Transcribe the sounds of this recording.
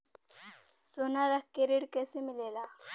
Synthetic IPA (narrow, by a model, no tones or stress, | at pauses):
sonaɾakeɾiɽkesemɪlela